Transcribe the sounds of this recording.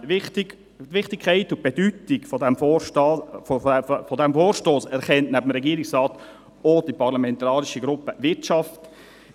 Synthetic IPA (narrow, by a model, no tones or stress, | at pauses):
ɪtɪ | ʋɪχtikʰaɪtʊb̥ɛd̥ytiɡ̥fɔdɛmfoː | fɔdɛmfoːɾʃtoːsɛɾχɛntnæbəm̩ɾɛɡiːɾɪksrɑːt | od̥ipʰɑʁlɑmɛntɑːɾiʃiɡɾʊpəvɪɾtʃɑft